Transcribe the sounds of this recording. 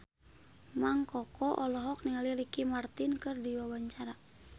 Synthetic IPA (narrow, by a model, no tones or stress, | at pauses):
maŋkɔkɔʔɔlɔɦɔk̚niŋalilikimart̪inkɨrdiwawaɲt͡ʃaɾa